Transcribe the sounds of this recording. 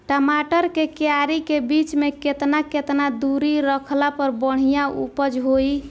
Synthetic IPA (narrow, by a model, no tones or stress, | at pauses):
ʈəmaʈəɾkekeaɾikebit͡ʃmeket̪naket̪nad̪uɾiɾəkʰlapəɾbəɽ̤ijaṵpəd͡ʒɦoi